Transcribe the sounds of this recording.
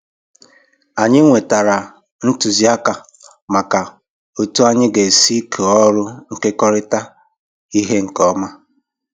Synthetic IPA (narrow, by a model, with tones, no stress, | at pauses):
a˨ɲɪ˦ŋʷe˨ta˨ɾa˨ | n̩˦tu˨zi˦a˦ka˨ | ma˨ka˨ | o˨tu˦a˦ɲɪ˦ɡe˨si˦kʰe˨ɔ˦ɾʊ˦ŋ̩˨ke˦kɔ˦ɾɪ˦ta˦ | i˦ɦe˦ŋ̩˨kɔ˦ma˦